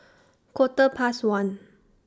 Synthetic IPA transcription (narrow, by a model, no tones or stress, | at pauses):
kʰwɔt̪əpʰaswãn